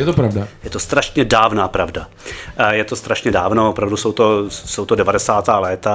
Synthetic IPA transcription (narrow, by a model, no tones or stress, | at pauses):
jɛt̪opɾavdajɛt̪o̞st̪ɾaʃɲɛdaːvnaːpɾavda | jɛt̪o̞st̪ɾaʃɲɛdaːvnoʔopɾavdusowt̪osowt̪odɛvadɛsaːt̪aːlɛːt̪a